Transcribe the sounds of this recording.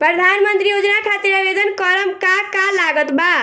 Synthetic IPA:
pɾəd̪ʱanmənt̪ɾijod͡ʒnakʰat̪iɾabed̪ənkəɾəmkakalaɡət̪ba

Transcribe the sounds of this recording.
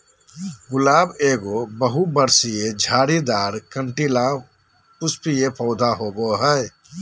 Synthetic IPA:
ɡʊlaːbeːɡobəɦubəɾsied͡ʒʱaːɾid̪aːɾkəɳʈilã | pʊspijepʰɔʊd̪ʱaɦoːboɦəɛ

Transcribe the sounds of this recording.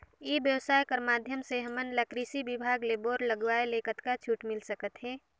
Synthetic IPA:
ibjəwsaːjkəɾmaːd̪ʱjəmseɦəmənləkɾisibɪbʱaːɡleːboːɾləɡʋaːeleːkət̪kat͡ʃʰuːʈmɪlsəkət̪ɦɛː

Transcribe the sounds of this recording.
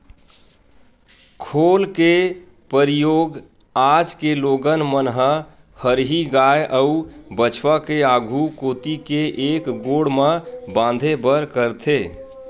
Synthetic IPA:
kʰolke | pəɾijoɡ | ad͡ʒkeloɡənmənɦə | həɾɦiɡajʔəubət͡ʃʰwakeaɡʱukot̪ikeʔekɡoɽmẽbãnd̪ʱebəɾkəɾt̪ʰe

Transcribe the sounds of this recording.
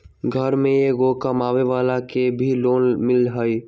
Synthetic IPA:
ɡʱəɾmẽeɡokəmaːʋeʋaːlakebʱiloːnmɪlɦəi

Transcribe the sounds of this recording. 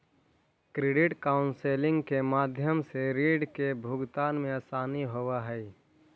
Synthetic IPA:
kɾeɖɪʈkaːʊnseːlɪ̃ŋɡkemaːd̪ʱjəmseɾiːɖkebʱʊɡt̪aːnmẽəsaːniɦowaɦɛj

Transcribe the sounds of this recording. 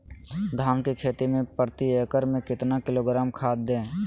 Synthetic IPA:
d̪ʱaːmket͡ʃʰeːt̪imẽpəɾt̪iekəɾmẽkɪt̪nakɪloːɡɾaːmkʰaːd̪̚d̪ẽː

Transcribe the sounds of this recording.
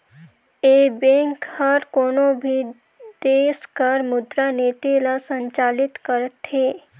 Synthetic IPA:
eːbẽːŋkhəɾkoːnobʱi | d̪eːskəɾmʊd̪ɾaneːt̪ilasə̃ɲt͡ʃaːlɪt̪kəɾət̪heː

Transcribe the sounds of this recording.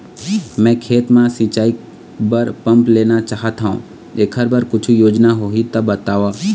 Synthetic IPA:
mɛ̃ːkʰeːt̪mãsĩːt͡ʃaːi | bəɾpɐ̃mpleːnat͡ʃaːɦət̪ʰaṵ̃ | eːkʰəɾbəɾkʊt͡ʃʰujoːd͡ʒnaɦoːɦit̪ɐbət̪aːʋaː

